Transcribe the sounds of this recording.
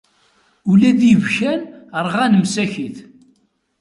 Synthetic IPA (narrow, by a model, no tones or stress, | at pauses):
ulæðjvçænəɾˤʁænəmsæçiθ